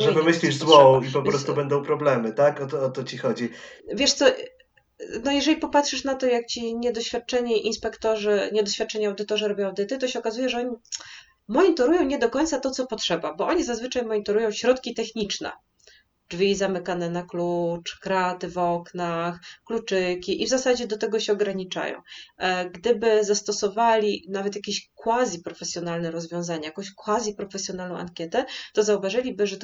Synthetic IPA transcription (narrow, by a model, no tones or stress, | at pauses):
ʐɛbɘmɘɕlʲiʐzwɔipɔpɾɔst̪ubɛnd̪ɔ̃w̃pɾɔblɛmɘt̪akɔt̪ɔɔt̪ɔt͡ɕixɔd͡ʑivʲjɛʂt̪sɔ | nɔjɛʐɛlʲipɔpat̪ʂɘʂnat̪ɔjak̚t͡ɕiɲɛd̪ɔɕfʲat̪̚t͡ʂɛɲɛʔinspɛkt̪ɔʐɘɲɛd̪ɔɕfʲat̪̚t͡ʂɛɲɛawd̪ɘt̪ɔʐɛɾɔbʲjɔ̃w̃awd̪ɘt̪ɨt̪ɔɕɛɔkazujɛʐɛɔɲi | mɔɲit̪ɔɾujɔ̃w̃ɲɛd̪ɔkɔɲt̪sat̪ɔt̪sɔpɔtʂɛbabɔʔɔɲizazvɘt͡ʂajmɔɲit̪ɔɾujɔ̃w̃ɕɾɔt̪kʲit̪ɛxɲit͡ʂnɛ̰ | dvʲizamɘkanɛnaklut͡ʂkɾat̪ɘvɔknaxklut͡ʂɘkʲiʔivzasad͡ʑɛd̪ɔt̪ɛɡɔɕɛɔɡɾaɲit͡ʂa̰jɔ̰̃w̃ɡd̪ɘbɘzast̪ɔsɔvalʲinavɛt̪jakʲeɕkwazʲipɾɔfɛsʲjɔnalnɛɾɔzvʲjɔ̃w̃zaɲajakɔ̃w̃ɕkwazʲjipɾɔfɛsʲjɔn̪alnɔ̃w̃ʔa̰ŋkʲjɛt̪ɛt̪ɔzauvaʐɘlʲibɘʐɛt̪